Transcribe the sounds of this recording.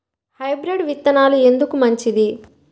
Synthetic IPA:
hɐjbɾiɖʋit̪ːɐnaːlue̞nd̪ukumɐɲt͡ʃid̪i

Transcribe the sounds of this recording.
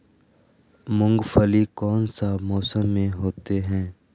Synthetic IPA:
mʊ̃ŋɡfəlikɔːnsaːmɔːsəmːẽɦoːt̪eɦɛ̃ː

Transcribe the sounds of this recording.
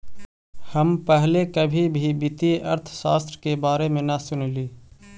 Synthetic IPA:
həmpɛɦlekəbʱibʱibɪt̪iə̰ɾt̪ʰsaːst̪ɾəkebaːɾemẽnəsʊnliː

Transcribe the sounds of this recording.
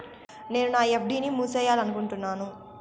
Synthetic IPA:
ne̞ːnunaːepʰɖiːnimuːt͡ʃɛːjaːlɐnukuɳʈunːaːnu

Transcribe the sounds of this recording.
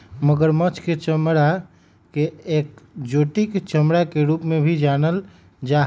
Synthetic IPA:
məɡəɾmət͡ʃʰket͡ʃəmɽa | keeːk̚d͡ʒoːʈikt͡ʃəmɽakeɾuːpmẽbʱid͡ʒaːnəl | d͡ʒa

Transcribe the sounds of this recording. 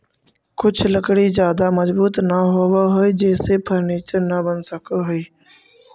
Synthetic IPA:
kʊt͡ʃʰləkɽizjaːd̪aməzbuːt̪nəɦoːʋaɦoid͡ʒeːsepʰəɾniːt͡ʃəɾnəbənsəkʰɦʊiː

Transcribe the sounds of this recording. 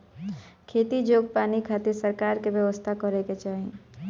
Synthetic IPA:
kʰeːt̪id͡ʒoːɡ̚paːnikʰaːt̪eɾsəɾkaːɾkebjəʋəst̪ʰakɔɾeket͡ʃaːɦĩ

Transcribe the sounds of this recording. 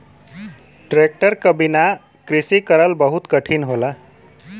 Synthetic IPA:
ʈɾek̚ʈəɾkʌbina | kɾisikʌɾəlbʌɦut̪kʌʈʰinɦola

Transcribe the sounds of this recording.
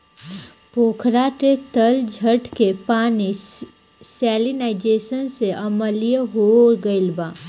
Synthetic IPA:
poːkʰɾaʈet̪əld͡ʒʱəʈkepaːni | sɛːlinaɪd͡ʒeːsənseʔəməlijəɦoɡəɪlbaː

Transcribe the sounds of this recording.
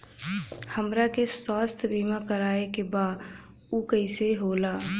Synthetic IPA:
həmɾakeswaːst̪ʰbiːmakəɾaːekebaːd̪ | ukəɪseɦoːlaː

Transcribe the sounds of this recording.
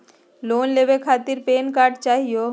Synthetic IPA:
lonlebekʰat̪iɾpenkaɾɖt͡ʃaɦijo

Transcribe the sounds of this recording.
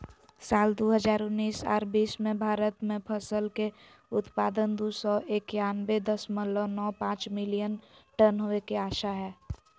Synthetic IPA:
saːld̪oɦəd͡ʒaːɾʊnːiːsa̰ːɾbiːsmẽbʱaːɾət̪mẽpʰəsəlke | ʊt̪paːd̪ənd̪uːsɔʔekjanbed̪əsməlɔnɔːpãːt͡ʃmɪlijənʈənɦoekeaːʃaɦɛː

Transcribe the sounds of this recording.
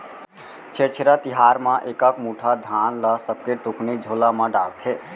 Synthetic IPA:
t͡ʃʰeɾt͡ʃʰeɾət̪iɦaɾmãʔekəkmuʈʰad̪ʱanləsəb̚keʈuknid͡ʒʱolamãɖalt̪ʰe

